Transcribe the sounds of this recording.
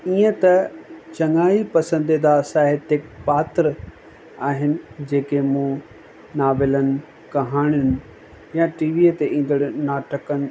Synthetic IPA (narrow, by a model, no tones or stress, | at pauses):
iːə̃t̪ɐt͡ɕɐŋaːipɐsə̃nd̪id̪asaːɦɪt̪ɪkpaːt̪ɪɾ | aːɦɪnɪ̆d͡ʑeːkemũ | naːʋɪlənɪ̆ | kɐɦaːɽ̃jʊnɪ̆ | jãʈiːʋiːət̪eʔĩːn̆d̪əɽnaːʈəkənɪ̆